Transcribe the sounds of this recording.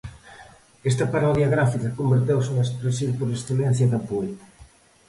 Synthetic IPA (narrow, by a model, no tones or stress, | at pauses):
est̪ɐpaɾɔðjɐɣɾafikɐkombeɾt̪̬ewsuŋespɾesiwpoɾesθelɛn̟θjɐðɐpoet̪ɐ